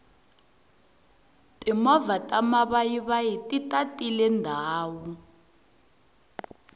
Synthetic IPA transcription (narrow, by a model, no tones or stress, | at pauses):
tʼimɔvatʼamaβajiβajitʼitʼatʼilɛndʱaːwu